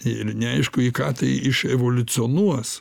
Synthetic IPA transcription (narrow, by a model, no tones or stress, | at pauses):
ɪrnʲɛɐɪʃkʊikɑːt̪ɐɪɪʃɛʋoːlʲʊt͡sʲɪoːnuɔs